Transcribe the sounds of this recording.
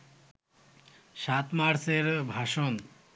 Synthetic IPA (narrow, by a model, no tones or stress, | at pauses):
ʃat̪maɾseɾbʱaʃon